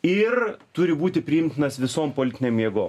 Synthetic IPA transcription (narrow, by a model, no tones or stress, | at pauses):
ɪrt̪ʊɾʲɪbuːt̪ʲɪpʲɾʲɪɪmʲt̪ʲɪnɐsʋʲɪsoːmpoːlʲɪt̪ʲɪnʲeːmjɛɡoːm